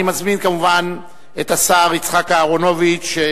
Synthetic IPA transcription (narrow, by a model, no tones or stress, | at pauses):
imazminkamuvan | et̪asaːʁit͡sχakaːʁonovit͡ʃ